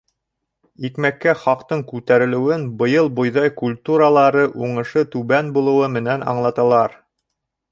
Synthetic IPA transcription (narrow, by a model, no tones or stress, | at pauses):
ikmækːæχɑqt̪ɤɴkʉt̪æɾɘ̆lɘ̆wɘnbɤ̆jɤlˠbŏjðɑjkulʲt̪uɾəlˠɑɾɤʔuɴɤ̆ʃɤt̪ʉβænbulˠɤ̆wɤmɘ̆nænɑ̰ɴlˠɑt̪ɑlˠɑɾ